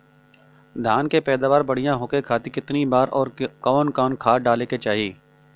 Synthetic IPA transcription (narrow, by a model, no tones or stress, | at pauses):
d̪ʱaːnkepɛːd̪aːʋaːɾbɐɽijãɦʊːkekʰaːt̪ikɪt̪nibaːɾɔːɾkaʋnkaːnkʰaːɖaːleket͡ʃaːɦieː